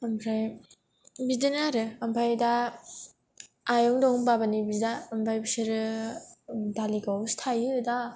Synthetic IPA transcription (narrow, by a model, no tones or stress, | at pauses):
ampʰɾaj | bidɯnaɾɯampʰajda | ajɔŋdɔhumbabanibidaːmpʰajbsɯɾɯ | daliɡawstʰajɯda